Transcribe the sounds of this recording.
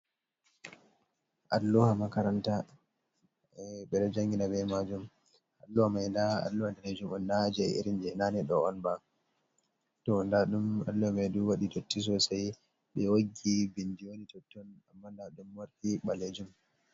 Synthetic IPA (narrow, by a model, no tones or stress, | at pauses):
ʔalːuhamakaɾanta | ɓɛɗɔd͡ʒaŋɡinabɛmad͡ʒum | ʔalːuhamajndaa̰lːuhandaled͡ʒumɔnːad͡ʒɛḭɾind͡ʒɛnaniɗɔɔnba | tɔndaɗumalːuhamajduwaɗidotːis̬ɔsaj | ɓɛwoɡːibindijonitɔtːɔnamːandaɗumwaɾtiɓaled͡ʒum